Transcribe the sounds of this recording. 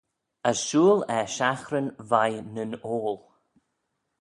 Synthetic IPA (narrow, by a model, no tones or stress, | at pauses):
əsʃuːlɛʃaxɾənvajnənoːlˠ